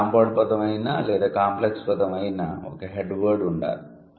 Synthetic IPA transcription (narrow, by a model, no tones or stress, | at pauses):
ampoːɽ̚pɐd̪ɐmɐjinːaleːd̪ɐkaːmplekspɐt̪ɐmɐjinːao̰ːkːeɦeɖʋəːɾɖuɳɖa̰ːɾ